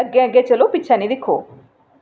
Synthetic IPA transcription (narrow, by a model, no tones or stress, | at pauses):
əɡːɛ̃əɡeːt͡ʃəloːpɪtːt͡ʃʰɛnĩːd̪ɪkʰːoː